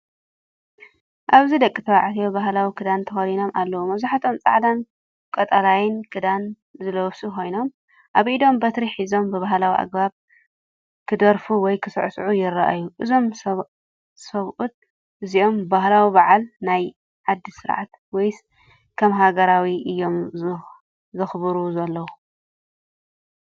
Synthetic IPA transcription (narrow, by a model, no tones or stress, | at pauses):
ʔaβzid̪ɐkʼːit̪ʰɐwaʕt̪ʰijobaɦlawikʰɨd̪ant̪ʰɐxɐlino̞mʔalːɐwumɐβzaħat̪ʰo̞mt͡sʼa̰ʕd̪an | kʼɐt̪ʼalajɪnkʰɨd̪an | zɨlɐsukʰo̞jno̞m | ʔaβʔid̪o̞mbɐt̪ɾiħizo̞mbɨβaɦlawiʔa̰ɡbaβ | kʰɨd̪ɐɾfuwɔjkʰɨsɨ̰ʕsʕujɪraʔajuʔɨzo̞m | sɐβʔut̪̚ | ʔɨziʔo̞mbahlawibaʕalnaj | ʕad̪ːisɨɾʕa̰t̪ | wɔjs | kʰɐmɦaɡɐɾawiʔɨjːo̞m | zɐxβɨɾuzɐlːɐwu